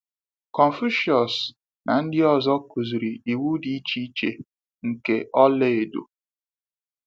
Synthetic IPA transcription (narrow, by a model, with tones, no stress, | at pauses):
kɔ˨n˨fu˦ʃɔ˨s | na˨n̩˦dɪ˦ɔ˨zɔ˦ku˨zi˨ɾi˨i˨wu˦di˨i˦t͡ʃi˦t͡ʃḛ˨ | ŋ̩˨ke˨ʔɔ˦le˦e˨dṵ˨